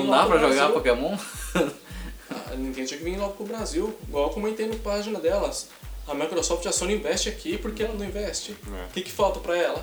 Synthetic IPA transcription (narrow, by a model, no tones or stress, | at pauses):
nũd̪apɾɐʒoɡapokemõ | a̰nẽt̪ẽʊt͡ʃiɐkɪvẽj̃lɔɡʊpɾʊbɾaziwiɡwawkõmẽt̪ẽnd̪ʊpaʒinɐd̪ɛlɐs | ɐmajkɾosɔft͡ʃasõnĩvɛst͡ʃɪakʰipoɾkeɛlɐnɐ̃w̃ĩvɛst͡ʃɪkɪkɪ̥fawt̪ɐpɾɐɛlɐ